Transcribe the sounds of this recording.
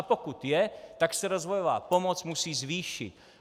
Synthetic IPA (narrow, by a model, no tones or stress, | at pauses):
pɔkut̪jɛt̪aksɛɾɔzʋɔjɔʋa̰ːpɔmɔt͡smusiːzʋiːʃḭc